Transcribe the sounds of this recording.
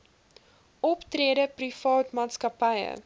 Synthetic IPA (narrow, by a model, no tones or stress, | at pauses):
ʔɔptreədəprifɑːtmɑːtskɐpɐjə̰